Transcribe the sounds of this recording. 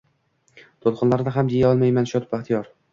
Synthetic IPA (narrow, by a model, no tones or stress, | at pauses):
t̪ʰolˠqʰʊnlaɾd̪aɦamd̪ijaɒlˠmajmanʃɒt̪baχt̪ʰijɒɾ